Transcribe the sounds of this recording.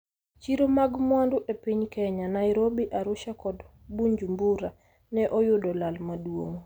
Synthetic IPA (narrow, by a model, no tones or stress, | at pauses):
t͡ʃiɾomaɡmwandʊʔepiɲkɛɲanaɪɾobiʔaɾʊʃakɔd | buɲd͡ʒumbuɾa | nɛʔɔjʊdɔlalmadwo̰ŋ